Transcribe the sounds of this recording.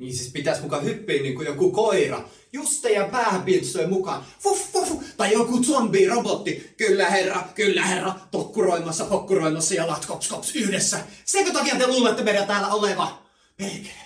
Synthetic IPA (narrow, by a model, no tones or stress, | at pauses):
niːnsispit̪æsmukɑhypːiːnniːŋkujokukoirɑ̰ | just̪ˑejjɑpæːhæpiet̪ist̪oˑimukɑ̰nʋufʋuft̪ɑijokut̪ombiːrobot̪ːikylːæherːɑkylːæherːɑt̪okːuroˑimˑɑsːɑpokːuroˑimɑsːɑjɑlɑt̪kopskopsyhdesːæsekøt̪ɑkiɑt̪ːeulmet̪ːomerjɑt̪æːlːæoleʋɑ | pelkæ̥æ